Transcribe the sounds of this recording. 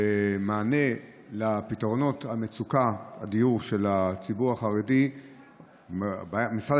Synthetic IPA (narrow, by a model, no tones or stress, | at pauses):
emaːne̞ | lapitʁo̞no̞thamet͡sukaa̰dijuʁʃe̞lat͡sibuʁaχaʁedi | bamisʁa